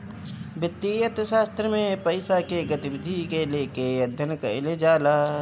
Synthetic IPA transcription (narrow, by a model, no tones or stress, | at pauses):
bɪt̪ːijɐt̪ʃaːst̪ɾəmẽpɐɪsakeɡɐt̪ibɪd̪ʱikeleːkejɐd̪ʱːənkə̰led͡ʒaːlaː